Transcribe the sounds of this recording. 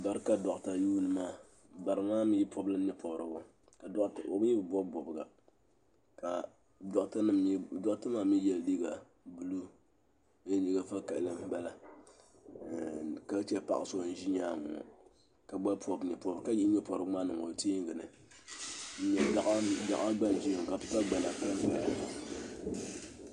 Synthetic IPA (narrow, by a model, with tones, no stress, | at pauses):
ba˨ɾɨ˦ka˨dɔ˨ʔta˨juː˦nɨ˦maː˦˨ | ba˨ɾɨ˨maː˦m˦ji˦pʰɔ˦blɨ˦ɲɛ˦pʰɔ˨bɾɨ̰˨bʊ˦ | ka˨˦˨o̰˨bɲɛ˦bɨ˨bɔ˦bbɔ˨bɨ˨ɡa̰˨ | ka˨ | dɔ˨˦tɨ˦nɨ˨˦dɔ˦ʔtɨ˦maː˦mi˦jɛ˨ldi˦ɡa˨ | bu˨lu˦ | ɛ˦ɲi˦ɡa˦fa˦ka˨ʔlɨ˦m˦bɛ˦la˨ | ka˦t͡ʃɛ˦˨pa̰˨ʔa˨so˦˨n̩˦ʒi˦ɲaː˦m̰˨ | ka˨ɡ͡ba˦pɔ˨bɲɛ˨pɔ˨bka˦ji˦ɲɛ˦pɔ˨ɾɨ˨˦ŋ͡maː˦nɨ˨o̰˨ti˦ŋ˨ɡɨ˨nɨ̰˨ | ɲɛ˨da˨ʔda̰˨ʔa˦a˦ɡ͡ba˦nd͡ʒi˦˨ŋ˨ka˨pi˦pa˦ɡ͡ba˨la˨pa˦bɨ˨a˦˨